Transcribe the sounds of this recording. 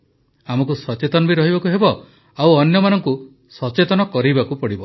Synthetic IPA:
amɔk̬usɔt͡ʃet̪ɔnɔbiɾɔɦibakuɦebɔ | awɔnjɔmanɔŋku | sɔt͡ʃet̪ɔnɔkɔɾibakupɔɽibɔ

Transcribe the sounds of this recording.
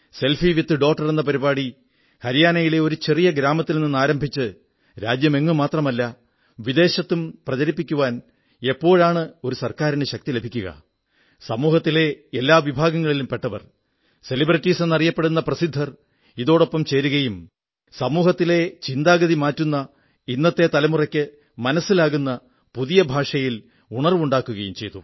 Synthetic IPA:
se̞lfiʋit̪ːɨɖo̞ːk̚ʈːɐre̞nːɐp̬ɐɾibaːɽi | hɐɾijaːnɐjile̞o̞ɾut͡ɕerijɐɡɾaːmɐt̪ːilninːaːɾɐmbʱit͡ɕːɨ | ɾa̰ːd͡ʑjɐme̞ŋːɨmaːt̪rɐmɐlːɐ | ʋid̪e̞ːɕɐt̪ːumprɐt͡ɕɐɾipːikʲːuʋaːn | e̞pːo̞ːɻaːɳɨo̞ɾusɐrkaːɾindeɕɐk̚t̪ile̞bʱikʲːuɣɐ̰ | sɐmuːhɐt̪ːile̞elːaːʋibʱaːɡɐŋːɐɭilumpe̞ʈːɐʋɐ̰r | se̞librɐtːiːsenːɐrijɐpːe̞ɽunːɐprɐsid̪ʱːɐr | iðo̞ːɽopːɐmt͡ɕe̞ːɾuɣɐjum | sɐmuːhɐt̪ːile̞t͡ɕind̪aːɡɐðimaːtːunːɐ | inːɐt̪ːe̞t̪ɐlɐmurɐkʲːɨ | mɐnɐsːilaːɣunːɐ | puðijɐbʱaːʂɐjil | uɳɐrʋuɳɖaːkːuɣɐjumt͡ɕe̞̰jt̪u

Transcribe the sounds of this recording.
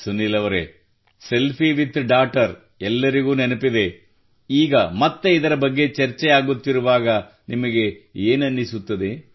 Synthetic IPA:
sunːilɐʋɐɾḛ | se̞lpʰiʋit̪ɖaːʈɐɾ | ɛlːɐɾiɡuːnenɐpid̪e | iːɡɐmɐt̪ːeid̪ɐɾɐbɐɡːe̞t͡ʃɐɾt͡ʃɛjaːɡut̪ːiɾuʋaːɡɐ | nimɐɡe̞eːnɐnːisut̪ːɐd̪e̞

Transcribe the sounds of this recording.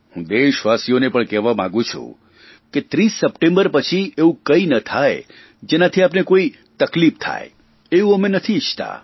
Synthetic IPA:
ɦũd̪eʃʋasjonepəɳkɛʋamã̰ɡũt͡ʃʰṵ̃ | ket̪ɾisːəpʈẽmbəɾpət͡ʃʰieũkəinət̪ʰaj | d͡ʒenat̪ʰiapnekoi | t̪əklipt̪ʰa̰e | eũəmenət̪ʰit͡ʃʰt̪a̰

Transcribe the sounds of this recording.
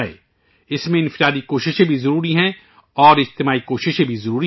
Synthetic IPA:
ḛ | ɪsmẽɪ̃nfɪɾaːd̪ikoːʃɪʃẽbʱizɐɾuːɾiɦɛ̃ | ɔːɾɪd͡ʒt̪ɪmaːikoːʃɪʃɦẽbʱizɐɾuːɾi

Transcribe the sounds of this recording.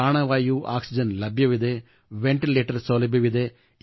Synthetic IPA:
aːɳɐʋaːjuːʔaːksid͡ʒɐnlɐbjɐʋid̪e | ʋeɳʈileːʈɐɾsolɐbjɐʋid̪e

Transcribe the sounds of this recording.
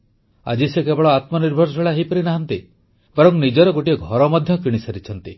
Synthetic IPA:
a̰d͡ʒisekebɔɭɔat̪mɔniɾbʱɔɾsɔeɭaɦejpɔɾinaɦant̪i | bɔɾɔŋnid͡ʒɔɾɔɡoʈiɔɡʱɔɾɔmɔd̪ʱjɔkiɽ̃isaɾit͡ʃʰɔnt̪i

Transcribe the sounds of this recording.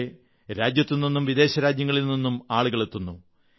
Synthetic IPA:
e | ɾaːd͡ʑjɐt̪ːinnːinːumʋid̪e̞ːɕɐɾaːd͡ʑjɐŋːɐɭilninːumaːɭuɣɐɭe̞t̪ːunːu

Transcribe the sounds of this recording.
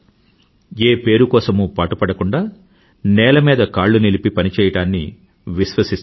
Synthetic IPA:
eːpe̞ːɾukɔːsɐmupaːʈupɐɽɐkuɳɖaː | nɛːlɐmiːd̪ɐkaːɭːunilipipɐnit͡ʃɛːjɐɽaːnːḭ | ʋiʃʋɐsi

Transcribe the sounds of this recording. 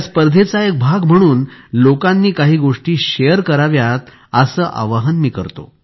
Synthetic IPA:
spəɾd̪ʱet͡saek̚bʱaɡm̤əɽ̃uːnlokãnːiːkaɦiːɡoʂʈiːɕejəɾkəɾaʋjat̪̚ | əsəːʔa̰ʋaɦənmiːkəɾt̪o̰

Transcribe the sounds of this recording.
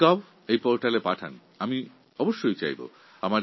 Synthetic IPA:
ɔb | ejpoɾʈalepaʈʰa̰n | ami | ɔboʃːojt͡ɕa̰jbo̰ | amaɾ

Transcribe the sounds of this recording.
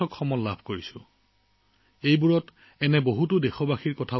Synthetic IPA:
ɔkxɔmɔlabʱkoɹisʊ̃ | ejbuɹɔt | ɛnɛboɦutʊdɛxɔbaxiɹkɔtʰa

